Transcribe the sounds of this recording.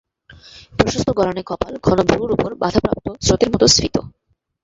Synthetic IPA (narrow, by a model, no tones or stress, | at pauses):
pɾoʃost̪ʰoɡɔɾanekɔpalɡʱɔnobuɾuɾupoɾba̰d̪ʱapɾa̰p̚t̪osɾot̪eɾmɔt̪osɾit̪o̰